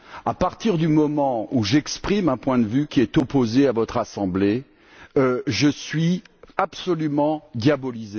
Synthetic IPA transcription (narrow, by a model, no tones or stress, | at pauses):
apaʁt̪iʁd̪ymɔmɑ̃uʒɛkspχimɛ̃pwɛ̃d̪əvykʲiɛt̪ɔpozeavɔt̪χasɑ̃ble | øʒəsɥiapsɔlymɑ̃d̪jabɔlize